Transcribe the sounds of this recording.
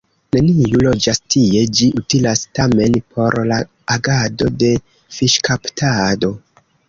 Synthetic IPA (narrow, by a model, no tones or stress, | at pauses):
ne̞nijulo̞d͡ʒastʰie̞d͡ʒiʔutilastame̞npʰo̞ɾla | aɡado̞de̞ | fiʃkʰaptʰado̞